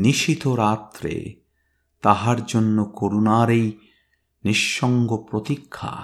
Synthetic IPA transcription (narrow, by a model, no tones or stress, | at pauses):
niʃit̪oɾat̪ɾḛ | t̪aɦaɾd͡ʑonːokoɾunaɾej | niʃːɔŋɡopɾot̪ikʰːa̰